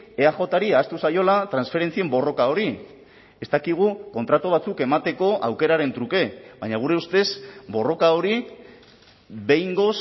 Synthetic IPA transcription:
e̞aʝo̞t̪aɾiaːst̪usajo̞lat̪ɾansfe̞ɾe̞nt͡sie̞mbo̞ro̞kao̞ɾi | e̞st̪akiɣ̞uko̞nt̪ɾat̪oβ̞at͡suke̞mat̪e̞ko̞ʔawke̞ɾaɾe̞nt̪ɾuke̞bajɲaɣ̞uɾe̞ust̪e̞sbo̞ro̞kaoɾi | be̞jŋɡo̞s

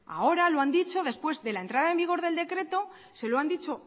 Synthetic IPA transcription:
a̰o̞ɾalo̞and̪it͡ʃo̞ðe̞spwe̞zðe̞laent̪ɾað̞ae̞mbiɣ̞o̞ɾðe̞ld̪e̞kɾe̞t̪o̞ | se̞loand̪it͡ʃo̞

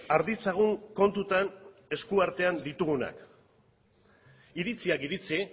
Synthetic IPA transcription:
aɾðit͡saɣ̞uŋko̞nt̪ut̪ane̞skuaɾt̪e̞and̪it̪uɣuna̰k | iɾit͡siakiɾit͡si

